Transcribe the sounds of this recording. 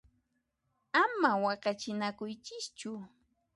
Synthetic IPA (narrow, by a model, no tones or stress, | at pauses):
amawɑɢɑt͡ʃɪnakʊjt͡ʃɪst͡ʃʊ